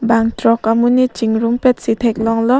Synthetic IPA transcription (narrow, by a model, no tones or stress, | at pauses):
baŋtɾɔkamunit͡ʃiŋɾumpet̚sitʰek̚lɔŋlɔ